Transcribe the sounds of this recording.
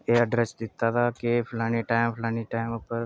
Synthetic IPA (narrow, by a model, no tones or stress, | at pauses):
eəɖɾesd̪ɪt̪ːat̪ʰaːkepʰlaːniʈaːɪmpʰlaːnĩʈaːɪmpəɾ